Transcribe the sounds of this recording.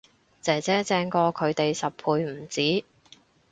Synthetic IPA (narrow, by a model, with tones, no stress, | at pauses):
t͡sɛː˨t͡sɛː˨˥t͡sɛː˧ŋkɔː˧kʰɵ˨˧ɥt̪e˨jsɐ˨ppʰuː˧jm̩˨˩t͡siː˨˥